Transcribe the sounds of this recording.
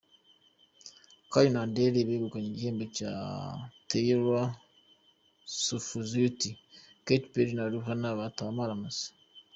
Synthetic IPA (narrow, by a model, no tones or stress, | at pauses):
kajunandeɾeβeβukaɲiɟeːmbet͡ʃa̰teiɾwa | sufuzuti | ketpeɾinaɾuhanaβatuamaɾamas